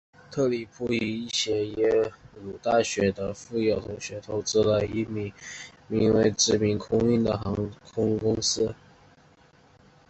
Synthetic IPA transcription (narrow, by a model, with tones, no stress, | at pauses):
t̪ʰɤ˥˩li˨˩pʰu˥˩i˧˥i˥˩ɕjɛ˧˥jɛ˧˥lu˨˩t̪a˥˩ɕɥɛ˧˥d̪ə˧fu˥˧jɑ˥˩ʊt̪ʰʊ˧˥ŋɕɥɛ˧˥t̪ʰo˧˥ʊt͡sɹ̩˥lə˧˩˧i˧˥mi˧˥mi˧˥ŋwe˧˥˧ɪʈ͡ʂɻ̩˥˩mi˧˥nkʰʊ˥ŋy˥˩nd̪ə˩xɑ˧˥ŋkʰʊ˥ŋkʊ˥ŋsɹ̩˥